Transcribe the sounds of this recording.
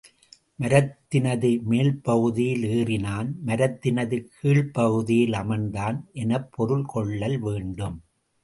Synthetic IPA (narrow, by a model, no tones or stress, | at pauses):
mɐɾɐt̪ːɪnɐðɯmeːlpɐɣɯðɪjɪleːrɪnaːnmɐɾɐt̪ːɪnɐðɯkʰiːɭpɐɣɯðɪjɪlɐmɐnd̪aːnʔɛnɐpːɔɾɯɭkɔɭːɐlʋeːɳɖɯm